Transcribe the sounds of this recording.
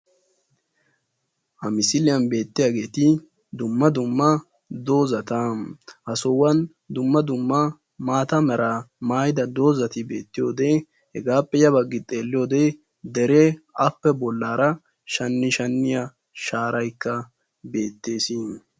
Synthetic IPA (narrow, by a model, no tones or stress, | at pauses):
ʔɐmɪsɪlɪjɐnbe̞ːt̪ːɪjaːɡe̞ːt̪ɪ | d̪ʊmːɐd̪ʊmːɐ | d̪o̞ːzɐt̪ɐʔɐsɔwɐn | d̪ʊmːɐd̪ʊmːɐ | maːt̪ɐmɛɾamaːjd̪ɐd̪o̞ːzɐt̪ɪbe̞ːt̪ːɪjo̞ːd̪eː | hɛɡaːpːɛjɐbɐɡːɪt̪ʼːe̞ːlːɪjo̞ːd̪eː | d̪ɛɾeɐpːɛbɔlːaːɾɐ | ʃɐnːɪʃɐnːɪjɐ | ʃaːɾɐjkːɐ | be̞ːt̪ːe̞ːsi